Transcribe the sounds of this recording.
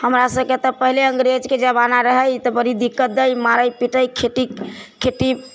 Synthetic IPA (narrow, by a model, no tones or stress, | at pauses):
həmɾasəb̚ket̪əpəɦileə̃ŋɡɾed͡ʒked͡ʒəβanaɾəɦəjt̪ɔbəɾid̪ikːət̪̚d̪əjmaɾəjpiʈəjkʰeʈikʰeʈi